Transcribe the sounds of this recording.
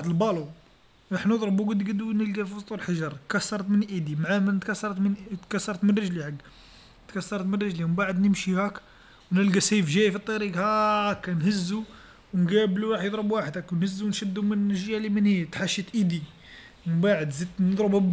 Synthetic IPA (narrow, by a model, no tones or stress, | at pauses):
d̪əlbɑlu | ɾˤɑħnəd̪ˤɾəbuɡəd̪ɡəd̪unəlɡæfit̪ˤulħaʒɑɾˤkæsːɑɾˤt̪mənʔid̪imʕamət̪kæsːɑɾˤt̪mənt̪kæsːɑɾˤt̪mənrəʒliħaɡː | t̪kæsːɑɾˤt̪mənrəʒliməmbaʕəd̪nəmʃihæk | wnəlɡæsejfʒæjfit̪ˤːɑɾiɡhæʕækːænhəzːu | wnɡæbluɾˤɑħjəd̪ˤɾəbwaħəd̪ækwnhəzːuwnʃəd̪ːumənʒjælimənhit̪ħaʃit̪ʔid̪i | məmbaʕəd̪zid̪nəd̪ˤɾəbæb